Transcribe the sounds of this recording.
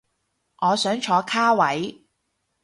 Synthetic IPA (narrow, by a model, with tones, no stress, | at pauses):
ŋɔː˨˧sœː˨˥ŋt͡ʃʰɔː˨˧kʰaː˥wɐ˨˥j